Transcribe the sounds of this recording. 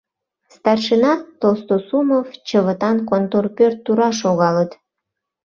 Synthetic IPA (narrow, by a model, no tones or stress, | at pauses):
st̪ɑrʃənɑt̪ːost̪osumovt͡ɕəβət̪ɑnkont̪orpørt̪ːuɾɑʃoɣɑlət̪